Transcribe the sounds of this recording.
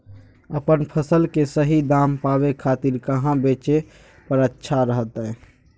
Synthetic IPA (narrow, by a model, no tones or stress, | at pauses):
əpənpʰəsəlkesəɦid̪ampabekʰat̪iɾkəɦãbet͡ʃe | pəɾətːʃʰaɾəɦət̪ɛ